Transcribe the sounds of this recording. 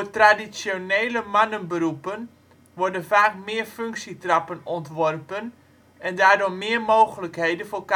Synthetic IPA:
rtradit͡sjoneːləmanənbəɾupən | ʋɔrdənfaːk̚mɪːərføŋksitrɑpənɔntʋɔrpən | ʔɛndaːrdʊmmɪərmoːɣələkɦejdənfoːk

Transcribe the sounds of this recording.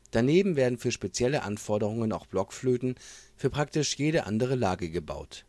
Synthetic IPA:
d̥aneːbm̩veːɐdn̩fyːɐʃpet͡sjɛləʔanfɔɐdəʁ̞ʊŋənaʊxb̥lɔkfløːtn̩fyːɐpʁ̥ak̚tɪʃjeːɾəʔa̰ndəʁ̞əlaːɡəɡəba̰ʊt

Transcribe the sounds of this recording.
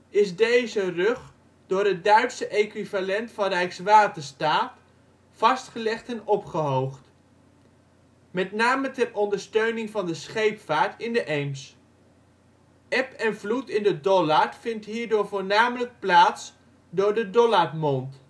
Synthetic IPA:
ɪsdejzərɵχ | d̥ʊːɾɦət̚dœɥtsəʔejkʋivalɛntfɑnrɛjksʋaːtəstaːt | fɑstχəlɛχtɛnɔpχəɦowχt | mɛtnaːmətɛrɔndəɹstøɥnɪŋvɑndəsχejpfaːɹtɪndəʔejms | ʔɛpɛnvlutɪndədɔlaɹfɪntɦiːɹdʊːɹvoːɹnaːmələk̚plaːts | dʊːɹdədɔlarmɔnt

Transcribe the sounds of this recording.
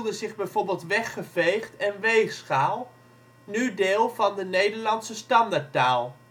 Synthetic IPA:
lˠdəzɪχbɛjvoːɹbɪːlˠtʋɛχːəvejχtɛnʋejχsχaːlˠ | nydɪːlˠvɑndənejdəɹlɑnsəstɑndaɹtaːlˠ

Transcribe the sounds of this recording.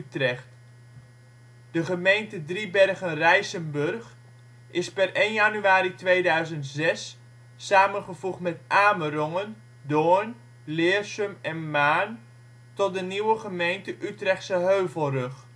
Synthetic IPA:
ytrɛχt | dəχəmejntədribɛrɣənrɛjsənbɵrχ | ʔɪspɛrʔejnjanyaːɾitʋeːdœɥzəntzɛsː | aːmənχəv̥uχtmɛtʔaːmərɔŋən | doːn | lɪːrsømɛnmaːn | tɔt̚dəniwəχəmejntəʔytrɛχtsəɦøːvəlˠrɵχ

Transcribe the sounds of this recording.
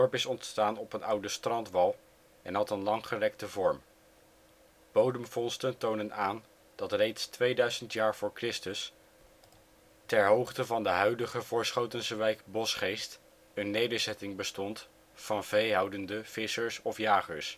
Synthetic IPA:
dɔɹpɪsɔntstaːnɔpənʌwdəstrɑntʋɑlˠ | ɛnɦɑtənlɑŋχərɛk̚təvɔɹm | b̥owdəmvɔnstəntownənaːn | d̥ɑtrejtstʋejdœɥzəntjaːɹv̥ʊːɹkrɪstəs | tɛɹɦowχtəvɑndəɦœɥdəχəvʊːɹsχowtənsəʋɛjkbɔsχejst | ənːejdəɹzɛtɪŋbəstɔnt | fɑnvejɦɑwdəndəv̥ɪsəɹsɔfjaːχə̰ɹs

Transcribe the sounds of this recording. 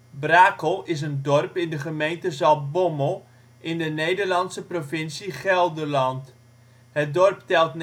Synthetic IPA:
braːkəlˠɪs̬əndɔrpɪndəχəmejntəzɑlˠbɔməlˠ | ʔɪndənejdərlɑnsəprofɪnsiχɛlˠdərlɑnt | hət̚dɔrptɛlˠtn

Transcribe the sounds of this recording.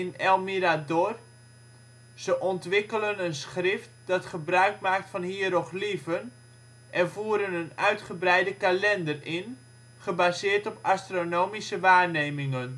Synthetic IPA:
ɪnɛlˠmiɾador | z̥əʔɔntʋɪkələnənsχrɪft̚d̥ɑtχəbrœɥkmaːk̚tfɑnhiəɾɔχlivən | ʔɛrvuːəɾənənœɥtχəbrɛjdəkalɛndərɪn | χəbazɪːrtɔpastronoːmisəʋaːrneːmɪŋən

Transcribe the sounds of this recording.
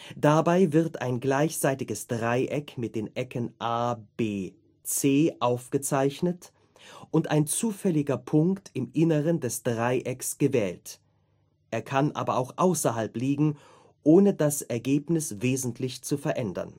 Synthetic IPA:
d̥abaɪvɪʁta̰ɪnɡlaɪçz̥aɪtɪɡəsd̥ʁaɪʔɛkmɪt̚d̥eːnʔɛkʰənʔaːb̥eː | t͡seːʔaʊfɡ̥ət͡saɪçnət | ʔʊnta̰ɪnt͡suːfɛlɪɡɐpʰʊŋktɪmʔɪnəʁəndɛsd̥ʁaɪʔɛksɡ̥əvɛːlt | ʔeːɐkʰanʔa̰ːbɐaʊxʔaʊsɐɦalpliːɡŋ̩ | ʔoːnədasɛɐɡeːpnɪsveːzn̩tʰlɪçt͡sufɛɐʔɛndɐ̰n

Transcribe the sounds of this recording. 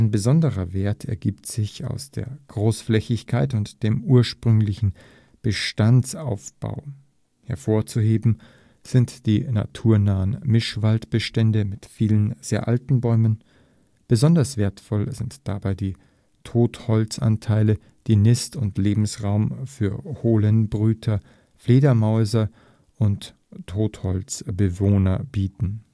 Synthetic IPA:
ʔaɪnbəzɔndəʁɐveːɐtʰɛ̰ɐɡiːptz̥ɪça̰ʊsd̥ḛːɐɡ̥ʁoːsflɛçɪçkʰaɪt̬ʊntd̥eːmuːɐʃpʁ̥ʏŋlɪçn̩ | b̥əʃtant͡sa̰ʊfb̥a̰ʊ | hɛɐfoːɐt͡suɦeːbm̩ | z̥ɪntd̥iːna̰tʰuːɐnaːənmɪʃv̥altb̥əʃtɛndəmɪtfiːlənz̥eːɐʔa̰ltn̩bɔʏmən | b̥əzɔndɐsv̥eːɐtfɔlzɪntd̥abaɪdiː | tʰoːthɔlt͡sʔa̰ntʰaɪlə | d̥iːnɪstʊntleːbm̩sʁaʊmfyːɐhoːlənbʁyːtʰɐ | fleːdɐmɔʏzɐ | ʔʊntʰː | oːthɔlt͡sb̥əvoːnɐbiːtn̩

